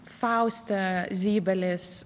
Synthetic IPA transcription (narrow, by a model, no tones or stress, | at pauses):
faʊstəziːbəlɛs